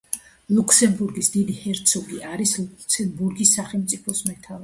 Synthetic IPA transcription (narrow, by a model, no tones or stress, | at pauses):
lˠuksɛmbuɾɡisd̪id̪ihɛɾt̪sʰɔɡiʔaɾislut̪sɛnbuɾɡisːaχɛlˠmt̪sʼipʰɔsmɛt̪ʰava